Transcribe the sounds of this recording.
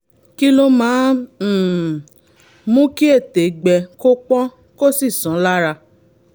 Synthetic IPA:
ki˦lo˦mãː˨˦˨ | mũ˦ki˦e˦˨te˨ɡ͡bɛ˨ko˦k͡pɔ̃˦ | ko˦si˦˨sɔ̃˨˦la˦ɾa˧

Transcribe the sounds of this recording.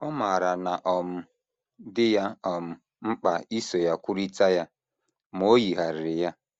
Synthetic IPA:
ɔ˦ma˨ɾa˨na˨ʔɔ˨m̩˨ | dɪ˦ja˦ɔ˨m̩˨ | m̩˦k͡pa˨i˦so˨ja˦kʷʊ˦ɾi˦ta˦ja˦ | m˨o˦ji˨ɦa˨ɾɪ˨ja˦

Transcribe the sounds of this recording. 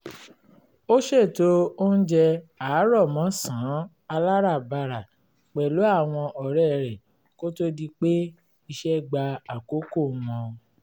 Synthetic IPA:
o˦ʃe˦˨to˦o˦n̩˦d͡ʒɛ˧aː˨˦ɾɔ˦˨mɔ̃˨˦sã˨˦ | a˧la˦ɾa˦˨ba˧˨ɾa˨ | k͡pɛ˨lo˨˦a˦˨w̃ɔ̃˧ʔɔ˨ɾɛ˦˨ɾɛ˨ | ko˦to˦di˧k͡pe˦ | i˧ʃɛ˦˨ɡ͡ba˧a˨ko˨˦ko˦˨˦mɔ̃˧

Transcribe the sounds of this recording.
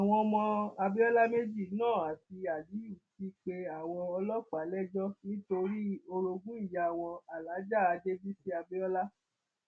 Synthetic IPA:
a˨w̃ɔ̃˧mɔ̃˧a˧be˦ɔ˦la˦me˦d͡ʒi˦˨˦nãː˦˨a˨ti˧a˨li˨˦u˨ti˦k͡pe˧a˨w̃ɔ̃˧ɔ˧lɔ˦ka˨˦lɛ˦d͡ʒɔ˦nĩ˦to˧ɾi˦o˧ɾo˧ɡũ˦i˦˨ja˨w̃ɔ̃˧a˨la˨˦d͡ʒa˦˨a˧d͡ʒe˦bi˦si˦a˧be˦ɔ˦la˦

